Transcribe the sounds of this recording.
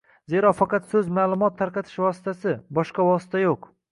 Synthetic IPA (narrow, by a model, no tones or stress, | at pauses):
ze̞ɾɒfɑqɑt̪sɵzmaːlˠʊmɒt̪ʰːaɾqɑt̪ʰɪ̥ʃvɒsɪ̥t̪asɪbɒʃqɑvɒsɪ̥t̪ʰajoq